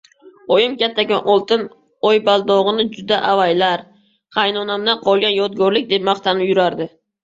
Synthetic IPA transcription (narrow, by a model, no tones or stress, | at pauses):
ɔjɪmkʲat̪ʰːakʲanʔɒlˠt̪ɪn | ɔjbalˠd̪ɒʁɨnɪd͡ʒʊd̪aʔavajlaɾ | qʰajnɒnamd̪aqʰɒlˠɡʲanjɒt̪ɡɒɾlɪk̚ʲd̪e̞p̚maχt̪ʰanɪpjʊɾaɾd̪ɪ